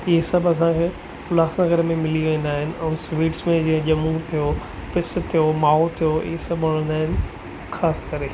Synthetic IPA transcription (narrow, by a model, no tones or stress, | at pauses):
ɪɦesɐbɐs̬ãkʰeː | mʊlaːxsnəɡəɾəmẽmɪliʋẽːn̆d̪aːɦɪnɪ̆ʔɛ̃ːsʋiːʈsmẽd͡ʑiɦə̃ʄɐmut̪ʰijo | pɪst̪ʰijomaːɦot̪ʰijoɪ̰ɦesɐbʋɐɽ̃ə̃nd̪aːɦɪnɪ̆ | xaːskɐɾe